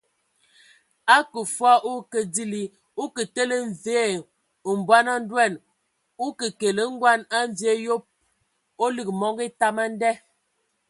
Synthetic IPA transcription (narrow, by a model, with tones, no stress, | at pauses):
a˦kə˨fwa˦ʔo˦kə˨di˦li˦ | o˦kə˨te˦lə˦ɱ˨ve˦˨ | m̩˨bwa˦na˦n̩˦dwɛ˦˨n | u˦kə˨ke˨lə˦ŋ̩˦ɡwa˦na˦ɱ˨vje˦jo˦p̚ | o˦li˨k̚mɔ˦ŋɡe˦ta˦ma˦n˦dɛ˦